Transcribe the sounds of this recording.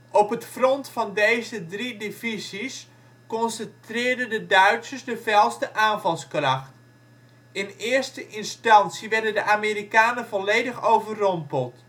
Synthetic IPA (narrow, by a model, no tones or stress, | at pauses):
ʔɔpətfrɔntfɑndejzədridevizis | kɔnsəntrɪːɹdəndədœɥtsəɹsdəvɛlˠstəʔaːnvɑlˠskrɑχt | ɪnɪːɹstəʔɪnstɑnsiʋɛɹdəndəʔameɾikaːnərvɔlejdəχowvərrɔmpəlˠt